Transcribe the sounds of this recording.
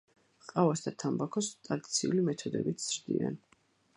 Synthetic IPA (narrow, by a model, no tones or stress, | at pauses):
qʼavasd̪at̪ʰambakʰɔst̪ʼɾad̪it̪sʰiulimɛt̪ʰɔd̪ɛ̰bit̪ʰz̥ɾd̪ḭa̰n